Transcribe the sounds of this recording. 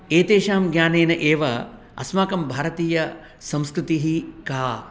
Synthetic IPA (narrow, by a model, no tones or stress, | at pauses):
eːt̪eːʃaːmɡɲaːneːnɐʔeːʋɐ | ɐ̰smaːkɐmbʱaːɾɐt̪iːjɐ | sɐ̃mskɾut̪iɦikaː